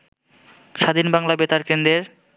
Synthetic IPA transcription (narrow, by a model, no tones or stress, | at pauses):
ʃad̪ʱinbaŋlabet̪aɾkend̪ɾeɾ